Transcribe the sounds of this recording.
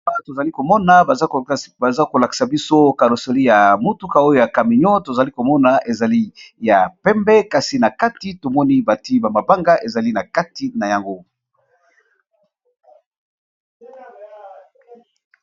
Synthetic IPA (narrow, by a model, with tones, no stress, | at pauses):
a˦˨to˨za˨li˦ko˨mɔ˦na˨ba˨za˦ko˨la˨ki̥˨sa˨bi˦so˦ka˨lo˨so˨li˦ja˨mo˦tu˦ka˨o˦jo˦˨ja˨ka˨mi˨ɲɔ˦to˨za˨li˦ko˨mɔ˦na˨ʔe˨za˨li˦ja˨pɛ˦mbɛ˦ka˦si˨na˨ka˦ti˨˦to˨mɔ˦ni˦ba˨ti˦ba˨ma˨ba˦ŋɡa˦ʔe˨za˨li˦na˨ka˦ti˨˦na˨ja˨ŋɡo˦